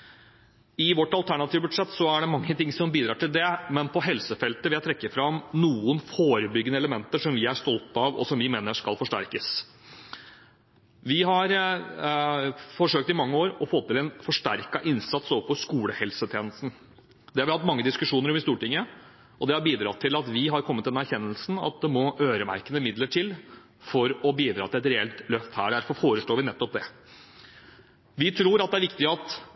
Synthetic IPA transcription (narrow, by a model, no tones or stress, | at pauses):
ɪʋɔʈːɑlt̪ʰæɳɑt̪ʰiːʋəbʉɖʂɛt̪ːsɔæɖɛmɑŋːət̪ʰɪŋsɔmbiːd̪ɾɑ̰ːʈɪld̪ɛmɛnpʰɔɦɛlsəfɛlt̪əʋɪæt̪ʰɾɛkːəfɾɑmnuːənfoːɾəbʏɡːənəɛləmɛnt̪əʂɔmʋɪæʂt̪ɔlt̪ɑʋɔ̰sɔmʋɪmeːnəʂkɑlfɔʂʈæ̰ɾkəs | ʋɪɦɑɾ | fɔʂøːk̚t̪ɪmɑŋːəoːɾɔfɔt̪ʰːɪlɛnfɔʂʈæɾkɑʔɪnsɑt̪sɔpʰɔskuːləhɛlsət̪ʰeːnəst̪n̩ | d̪ɛhɑɾʋɪhɑt̪ːmɑŋːəd̪ɪskʉʂuːnəɾɔmɪst̪uːʈɪŋːə | ʔɔd̪ɛhɑɾbiːd̪ɾɑ̰t̪ʰːɪlɑt̪ʋɪɦɑɾkʰɔmːət̪ːɪd̪ɛnæɾçɛnːəlsn̩ɑ̰t̪̚d̪ɛmɔʔøːɾəmæ̰ɾkənəmɪd̪ləʈʰɪl | fɔɾɔbiːd̪ɾɑːt̪ʰɪlɛt̪ɾɛɛlt̪lœft̪hæːɖæɾfɔɾfoːɾəʂɭoːʋɪnɛt̪ːɔp̚d̪ɛ | ʋɪt̪ʰɾuːɾɑt̪̚d̪ɛæɾʋɪkt̪ɪəɑt̪